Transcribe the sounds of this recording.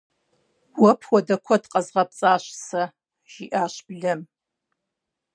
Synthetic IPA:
wɔpʰwɔdɐkʷʰɔdqʼɐzʁɐp̚t͡sʼaːɕsɐ | ʒ̥iʔaːɕbɮɐm

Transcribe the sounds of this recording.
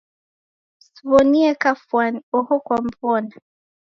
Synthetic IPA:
svɔniɛkafwanɔhɔkwampɔna

